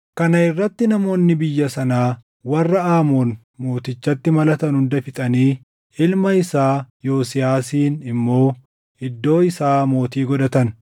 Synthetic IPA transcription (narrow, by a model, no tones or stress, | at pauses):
kɐnɐɪrːɐt̪ːɪnɐmo̞ːnːɪbɪjːɐsɐnaː | wɐrːɐaːmoːn | mo̞ːt̪ɪt͡ʃːɐt̪ːɪmɐlɐt̪ɐnhʊnd̪ɐfɪt̪ʼɐniː | ɪlmɐɪsaːjo̞ːsɪjaːsiːnɪmːo̞ː | ɪd̪ːo̞ːɪsaːmo̞ːt̪iːɡɔd̪ɐt̪ɐn